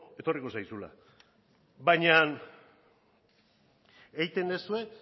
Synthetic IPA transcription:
e̞t̪o̞riko̞sajsula̰ | baɲan | ejt̪e̞nd̪esue̞

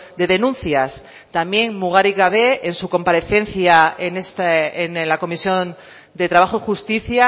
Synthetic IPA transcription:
d̪e̞ðenũn̟θjas | t̪amje̞ŋmuɣ̞aɾiɣaβe̞ensuko̞mpaɾe̞θe̞nθjaenest̪aenlako̞misjo̞n | d̪e̞t̪ɾaβaχoixust̪iθja

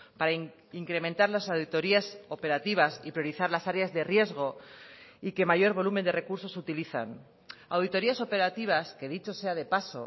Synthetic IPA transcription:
paɾa | iŋkɾe̞mẽ̞nt̪aɾlasawðit̪o̞ɾiaso̞pe̞ɾat̪iβ̞asipɾjoɾiθaɾlasaɾeazðe̞rje̞zɣ̞o̞ | ike̞maʝo̞ɾβo̞lume̞nd̪e̞re̞kuɾso̞sut̪iliθa̰n | awðit̪o̞ɾiaso̞pe̞ɾat̪iβ̞aske̞ðit͡ʃo̞se̞aðe̞paso̞̰

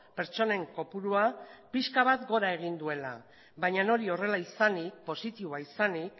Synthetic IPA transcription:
pe̞ɾt͡ʃo̞ne̞ŋko̞puɾuapiskaβ̞at̪ɡo̞ɾae̞ɣ̞ind̪ue̞la̰ | βaɲano̞ɾio̞re̞laisanik̚po̞sit̪iβuaisanik

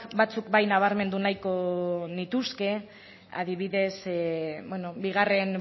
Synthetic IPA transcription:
bat͡sukbajnaβ̞aɾme̞nd̪unajko̞nit̪uske̞ | a̰ðiβiðe̞sbweno̞biɣ̞are̞n

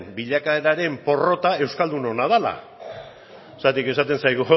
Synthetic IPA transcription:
mbiʎakaeɾaɾe̞mpo̞ro̞t̪ae̞wskald̪uno̞naðala̰ | sat̪ike̞sat̪e̞nsajɣu

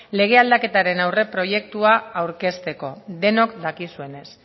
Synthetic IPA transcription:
le̞ɣ̞e̞ald̪ake̞t̪aɾe̞nawre̞pɾo̞je̞kt̪uaawɾke̞st̪e̞ko̞d̪e̞no̞kd̪akisue̞ne̞s

